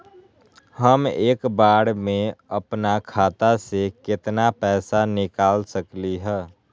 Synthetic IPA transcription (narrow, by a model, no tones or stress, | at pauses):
həmeːkbaːɽmẽəpnakʰaːt̪asekɪt̪napɛːsanɪkaːlsəkliɦɛː